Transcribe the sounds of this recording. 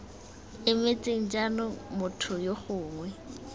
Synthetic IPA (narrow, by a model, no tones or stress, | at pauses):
ɪmet͡sʼeŋ̩d͡ʒanʊmʊtʰʊjoχʊːŋwɛ